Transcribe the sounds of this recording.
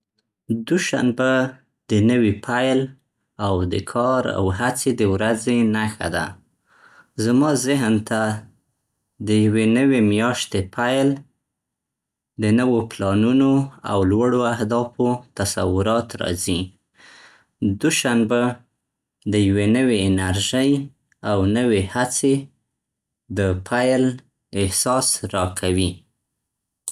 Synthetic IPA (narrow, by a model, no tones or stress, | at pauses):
d̪uʃa̰nba | d̪ənəwipʰajl | awd̪əkʰɑɾa̰wɦat͡sed̪əwɾazenaxa̰d̪a̰ | zamɑzɪɦnt̪a | d̪əjwenəwemjɑʃt̪epʰajl | d̪ənəwoplɑnunoa̰wlwaɽoahd̪ɑfot̪asa̰wʊɾɑt̪ɾɑ̰zi | d̪uʃanba | d̪əjawenəweɪnaɾʒəj | awnəwehat͡se | d̪əpʰajl | ɪhsɑsɾɑkʰawi